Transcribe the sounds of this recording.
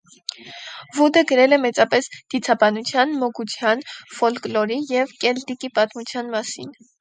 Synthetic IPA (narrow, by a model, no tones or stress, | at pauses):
vud̪əɡəɾɛlɛmɛt͡sɑpɛsd̪̥it͡sʰɑbɑnut͡sʰjɑnmɔɡut͡sʰjɑnfɔlklɔɾijɛvkɛlt̪ikipɑt̪mut͡sʰjɑnmɑsḭn